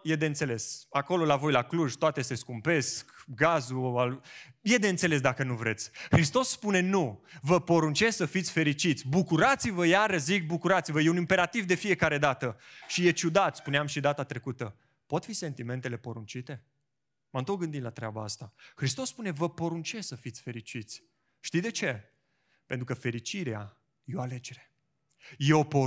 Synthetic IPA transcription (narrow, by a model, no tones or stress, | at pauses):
je̞d̪e̞ɨnt̪se̞le̞sako̞lo̞lavo̞jlakluʒt̪oat̪ese̞skumpe̞skɡazualje̞d̪e̞ɨnt̪se̞le̞s̬d̪akənuvɾe̞t̪sʲhɾist̪o̞sːpune̞nuvəpo̞ɾunt͡ʃessəfit̪sʲfe̞ɾit͡ʃit̪sʲbukuɾat̪sivəjaɾəʃzik̚bukuɾat̪sivəje̞unimpe̞ɾat̪ivd̪e̞fije̞kaɾe̞d̪at̪əʃije̞t͡ʃud̪at̪spuneamʃid̪at̪at̪ɾe̞kut̪ə | po̞t̪fise̞nt̪ime̞nt̪e̞le̞poɾunt͡ʃit̪e̞ | mamt̪ok̚ɡɨnd̪it̪lat̪ɾeabaast̪ahɾist̪o̞sːpune̞vəpo̞ɾunt͡ʃe̞ssəfit̪sʲfe̞ɾit͡ʃit̪sʲ | ʃt̪ijd̪e̞t͡ʃe̞ | pent̪ɾukəfe̞ɾit͡ʃiɾea | jeoale̞d͡ʒe̞ɾe̞̥ | je̞o̞po